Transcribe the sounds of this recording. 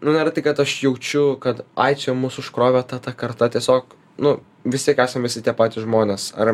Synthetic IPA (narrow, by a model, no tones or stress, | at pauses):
nʊnʲæːɾɐt̪ɐɪkɐt̪ɐʃjɛʊt͡ʃʲʊkɐt̪ɐ̰ɪt͡ʃʲɛmuːsʊʃkɾoːʋʲɛːt̪ɐt̪ɐkɐrt̪ɐt̪ʲiɛsʲoːk | nʊ | ʋʲɪsʲt̪ʲiɛkæːsɐmʋʲɪsʲɪt̪ʲiɛpɑːt̪ʲɪʒmoːnʲeːsɐr